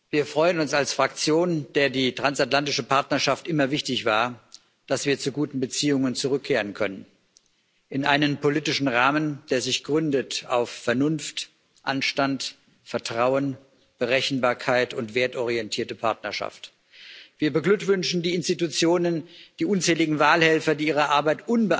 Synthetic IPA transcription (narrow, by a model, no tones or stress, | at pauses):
viːɐfʁ̥ɔʏənʊnsalsfʁ̥akt͡sjoːnd̥eːɐdiːtʁ̥ansatlantɪʃəpʰaɐtnɐʃaftʔɪmɐvɪçtɪçv̥aːɐ | d̥asv̥iːɐt͡suɡuːtn̩bət͡siːʊŋənt͡suʁ̞ʏkʰːeːʁənkʰœ̰nən | ʔɪnʔaɪnənpʰoliːtɪʃn̩ʁaːmənd̥eːɐzɪçɡ̥ʁʏndəta̰ʊfːɛɐnʊnft | ʔanʃtant | fɛɐtʁ̥aʊən | b̥əʁɛçn̩baːɐkʰaɪtʊntv̥eːɐtɔʁ̞iɛntʰiːɐtəpʰaɐtnɐʃa̰ft | v̥iːɐbəɡlʏkv̥ʏnʃn̩diːɪnstitut͡sjoːnənd̥iːʔʊnt͡sɛːlɪɡŋ̩vaːlhɛlfɐdiːʔiːʁ̞ɐʔaɐbaɪtʔʊnbə